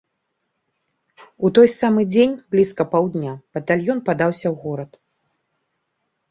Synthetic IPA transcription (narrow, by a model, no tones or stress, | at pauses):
ut̪ɔjsamɨd͡zʲenʲblʲiskɐpawd̪nʲab̥ɐt̪alʲjɔnpad̪awsʲɐwɣɔɾɐt̪